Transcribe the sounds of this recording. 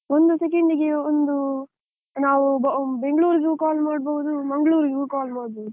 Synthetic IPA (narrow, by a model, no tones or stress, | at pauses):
ond̪usek̬eɳɖiɡeond̪u | naːʋubbeŋɡɭuːɾiɡukaːlmaːɽboʋud̪umɐŋɡɭuːɾiɡukaːlmaːɽboːd̪u